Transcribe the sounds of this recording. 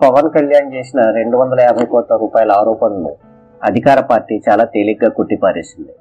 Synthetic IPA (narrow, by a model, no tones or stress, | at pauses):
pɐʋɐnkɐljaːnt͡ʃeːsinɐɾe̞ɳɖuʋɐnd̪ɐlɐɛːbʱɐjkɔːt̪lɐɾuːpaːjɐlɐaːɾɔːpɐnɐnṵ | ɐd̪ʱikaːɾɐpaːɾʈːiːt͡ʃaːlaːt̪eliɡaːkoʈːipaːɾeːsind̪i